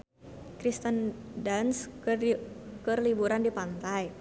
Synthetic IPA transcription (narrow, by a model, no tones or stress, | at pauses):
kɾist̪əndans | kərlibuɾandipant̪aj